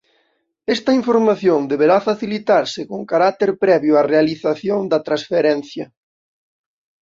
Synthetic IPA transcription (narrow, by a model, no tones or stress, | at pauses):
ɛst̪ɐiɱfoɾmaθjoŋd̪eβeɾafaθilit̪aɾsɪkoŋkaɾat̪eɾpɾɛβjʊarealiθaθjoŋd̪ɐt̪ɾasfeɾɛn̟θjɐ